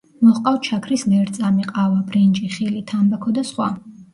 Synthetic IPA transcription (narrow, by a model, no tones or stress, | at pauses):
mɔχqʼawt͡ʃʰakʰɾislɛɾt̪sʼamiqʼavabɾind͡ʒʼiχilit̪ʰambakʰɔd̪asχwa̰